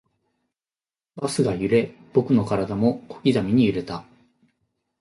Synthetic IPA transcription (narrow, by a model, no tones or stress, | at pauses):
basɨɡajɯ̟ɾe̞b̥o̞kɯ̟no̞kaɾad̪amo̞kʰo̞̥kʲizamʲiɲ̟ijɯ̟ɾe̞t̪a